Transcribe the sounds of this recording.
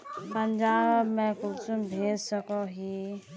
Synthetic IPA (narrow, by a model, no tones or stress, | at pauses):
pənd͡ʒabmẽkulsumbʱedsəkɔɦi